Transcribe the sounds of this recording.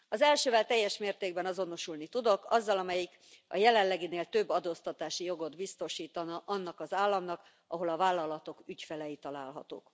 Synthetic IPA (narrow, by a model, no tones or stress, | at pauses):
ɒzɛlʃøːvɛlt̪ɛjːɛʃmeːrt̪eːɡ̚bɛnɒzo̞no̞ʃulnit̪ud̪o̞kɒzːɒlɒmɛjik | ɒ̰jɛlɛnlɛɡineːlt̪ø̞bːɒd̪oːst̪ɒt̪aːʃijo̞ɡo̞d̪bist̪o̞ʃiːt̪ɒnɒʔɒnːɒkɒzaːlːɒmnɒk | ɒɦo̞lɒvaːlːɒlɒt̪o̞kycfɛlɛjit̪ɒlaːlɦɒ̰t̪o̰ːk